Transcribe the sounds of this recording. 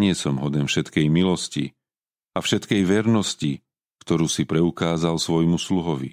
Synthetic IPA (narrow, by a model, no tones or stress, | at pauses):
ɲɪɛsɔmɦɔd̪ɛmfʃɛt̪kɛjmilɔscḭ | afʃɛt̪kɛjʋɛɾnɔsci | kt̪ɔɾuːsipɾɛukaːzalsʋɔjmusluɦɔʋḭ